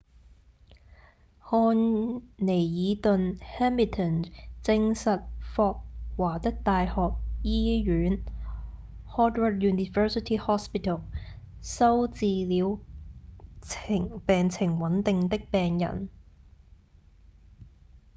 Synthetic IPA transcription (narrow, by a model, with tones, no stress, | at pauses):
hɔː˧nne˨˩jjiː˨˧t̪ɵ˨˧nhɛː˥mi˨t̪ʰə˨nt͡sɪ˧ŋsɐ˨t̚fɔː˧k̚waː˨˩t̪ɪ˥k̚t̪aː˨jhɔː˨k̚jiː˥ɥyː˨˥n | hɔː˥t̚wə˥t̚juː˨ni˨fɜː˥si˨t̪ʰiː˥hɔː˥spi˨t̪ʰɐ˨˩w | sɐ˥wt͡siː˨˧liː˨˧w | t͡sʰɪ˨˩ŋpɛː˨ŋt͡sʰɪ˨˩ŋwɐ˨˥nt̪ɪ˨ŋt̪ɪ˥k̚pɛː˨ŋjɐ̰˨˩n